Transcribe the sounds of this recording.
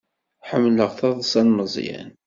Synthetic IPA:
ħəmːləʁθɑðˤsˤɑnməzˤjæ̰n

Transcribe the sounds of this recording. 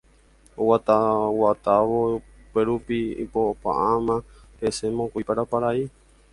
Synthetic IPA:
owat̪awat̪aʋo | peɾupiḭpopa̰ʔãmã | pesemõkujpaɾapaɾai

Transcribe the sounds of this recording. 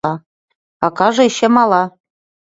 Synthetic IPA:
ɑ | ɑkɑʒɤ̆eɕĕmɑlˠɑ

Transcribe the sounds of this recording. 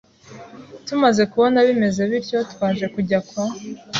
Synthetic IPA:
tumaze̞kuβo̞naβime̞ze̞βiɾco̞twaːnʒe̞kuɟakwa

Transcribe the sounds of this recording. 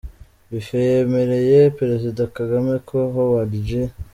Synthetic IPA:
βifejeme̞ɾe̞je̞peɾe̞zidakaɡame̞kʰoɦowaɾɟe

